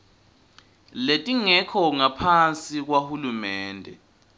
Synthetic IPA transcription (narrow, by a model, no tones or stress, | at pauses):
letʼiŋɛkʰɔŋapʰant͡sʼik̬wahulumɛːndʱɛ̰